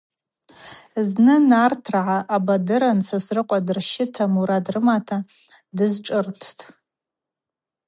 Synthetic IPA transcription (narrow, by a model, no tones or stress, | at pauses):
znɨnartʰraʕaʔabadɨɾansasrɨqʷʼadɨrʃɪtʰamuɾadrɨmatʰa | dɨzʈ͡ʂʼɨrtʰtʰʼ